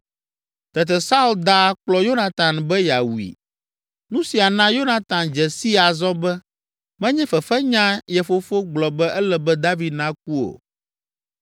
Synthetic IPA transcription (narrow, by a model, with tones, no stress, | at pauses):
t̪ɛ˨t̪̬ɛ˨sa˦u˦ld̪a˦k͡plɔ˦jo˦nã˨t̪ã˨nbɛ˦ja˨wu˨ḭ˨ | nũ˦si˨a˨nã˦jo˦nã˨t̪ã˨nd͡ʒɛ˨si˦a˨zɔ˦bɛ˦ | mɛ̃˦ɲɛ̃˦fɛ˨fɛ˦ɲã˦jɛ˨fo˦fo˦ɡ͡blɔ˨bɛ˦ʔɛ˦lɛ˦bɛ˦d̪a˦vi˨d̪nã˦k̚u˦o̰˨